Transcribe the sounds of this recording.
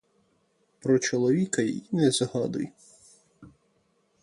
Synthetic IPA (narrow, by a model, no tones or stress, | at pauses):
pɾɔt͡ʃɔlˠɔʋʲikɐj̰inɛzɦɑd̪ʊ̰j